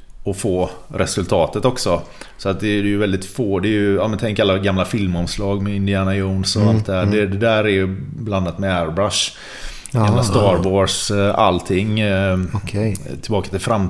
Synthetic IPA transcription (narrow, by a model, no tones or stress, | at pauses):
ɔfoːɾʔɛsɵlt̪ʰɑːt̪ət̪ɔksɔsɔat̪̚d̪ɛd̪ɛjəvɛld̪ɪt̪foːd̪ɛjɵaːmənt̪ʰɛŋkəɾalːaɡamlafɪlmɔmslɑːɡmɛɪnd̪ɪæːnajɔːnsɔalt̪̚d̪ɛhæːɖɛd̪ɛd̪æːɾɛɾjbland̪at̪mɛæɾbɾaʂ | ɡamlast̪ɑːɾvoːʂa̰lt̪ʰɪŋːʰ | t̪ʰɪlbɑːkḁt̪ɪlfɾam